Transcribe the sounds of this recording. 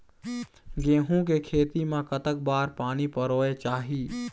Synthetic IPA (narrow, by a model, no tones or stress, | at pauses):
ɡẽːɦũkekʰeːt̪imãkət̪ək̚baːɾpaːnipəɾoːet͡ʃaːɦiː